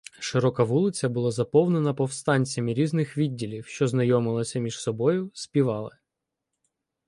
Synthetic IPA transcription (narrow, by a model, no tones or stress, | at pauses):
ʃɪɾɔkɐʋulˠɪt͡sʲɐbʊlˠɑzɐpɔwnenɐpɔwst̪ɑnʲt͡sʲɐmɪɾʲiznɪxʋʲidʲːilʲiwʃt͡ʃɔznɐjɔmɪlˠɐsʲɐmʲiʃsɔbɔjʊspʲiʋɑlˠɪ